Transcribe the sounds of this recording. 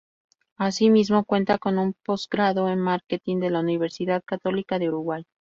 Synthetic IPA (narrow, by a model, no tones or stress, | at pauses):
asimizmo̞kwe̞nt̪ako̞numpo̞zɡɾaðoenmaɾket̪ind̪e̞launiβ̞e̞ɾsiðaðkat̪o̞likaðe̞uɾuɣwaj